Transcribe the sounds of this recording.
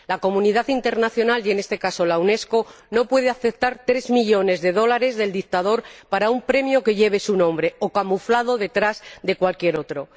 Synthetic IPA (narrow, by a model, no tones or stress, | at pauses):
lako̞mũniðaθint̪e̞ɾnaθjo̞naljene̞st̪e̞kaso̞lawne̞sko̞ | no̞pwe̞ðeaθe̞p̚t̪aɾt̪ɾe̞zmiʎo̞ne̞zðe̞ðo̞laɾe̞zðe̞ld̪ik̚t̪að̞o̞ɾpaɾaumpɾe̞mjo̞ke̞ʝe̞β̞e̞sunõ̞mbɾe̞o̞kamuflað̞o̞ðe̞t̪ɾazd̪e̞kwalkje̞ɾo̞t̪ɾo̞